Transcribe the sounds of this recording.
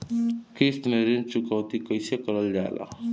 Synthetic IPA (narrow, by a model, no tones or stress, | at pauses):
kɾist̪meɾint͡ʃukawt̪ikʌjsekʌɾʌld͡ʒa̰la̰